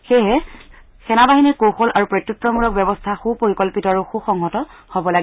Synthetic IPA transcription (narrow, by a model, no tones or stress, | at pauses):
xeɦɛ | xɛnabaɦinikoxolaɹupɹojtːjutɹɔmuɹɔk̚bjɛbɔstʰaxupoɹikɔlpitɔaɹuxuxɔŋɦɔtɔhobɔlaɡi